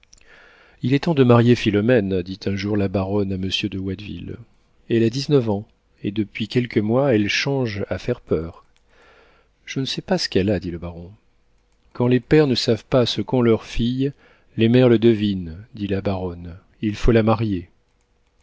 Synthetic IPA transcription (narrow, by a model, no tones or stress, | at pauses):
ilɛt̪ɑ̃d̪əmaʁjefilɔmɛnd̪it̪ʰɛ̃ʒuʁlabaʁɔnaməsjød̪əwad̪vḭl | ɛlad̪iznəvɑ̃ | ed̪əpɥikʲɛlkəmwaɛlʃɑ̃ʒafɛʁpœːʁ | ʒ̥ənəsɛpasə̥kɛlad̪iləbaʁɔ̃ | kɑ̃lepɛʁnəsavpasəkɔ̃lœʁfij | lemɛʁləd̪əvind̪ilabaʁɔn | ilfolamaʁje